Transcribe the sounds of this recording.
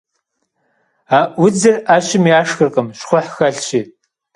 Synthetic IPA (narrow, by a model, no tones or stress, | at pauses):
aːʔwʊd͡zɐraːɕɪmiaːʂxɨrqʼəmɕχʷʊħxɐɬɕiː